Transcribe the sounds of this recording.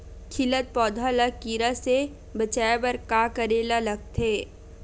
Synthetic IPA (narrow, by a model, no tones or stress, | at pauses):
kʰɪlət̪̚pɔːd̪ʱalakiːɾase | bət͡ʃaːebəɾkaːkəɾeːlalɐɡ̚t̪ʰeː